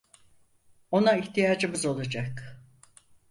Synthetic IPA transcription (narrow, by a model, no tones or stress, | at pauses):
o̞naiçt̪ijaːd͡ʒɯmɯzo̞lˠad͡ʒak